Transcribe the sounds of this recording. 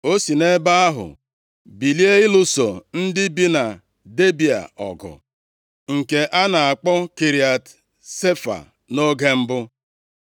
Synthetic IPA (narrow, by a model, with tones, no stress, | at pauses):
o˦si˨ne˦ba˦a˦ɦʊ̰˨ | bi˨li˦e˦ɪ˦lʊ˦so̰˨n̩˦dɪ˦bi˦na˨ | de˦bi˨a̰˨ɔ̰˨ɡɔ̰˨ | ŋ̩˨ke˨ʔa˦na˨a˨k͡pɔ˦ki˨ɾi˨a˨t | se˦fa̰˨ | no˦ɡe˦m̩˦bʊ˦